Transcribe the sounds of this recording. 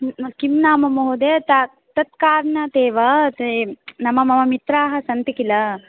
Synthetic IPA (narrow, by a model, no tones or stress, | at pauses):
kimnaːmɐmɐɦud̪eːt̪ɐ | t̪ɐt̪̚kaːɾɳat̪eːʋɐ | nɐmɐmɐmɐmit̪ɾaːɦɐsɐnt̪ikilɐ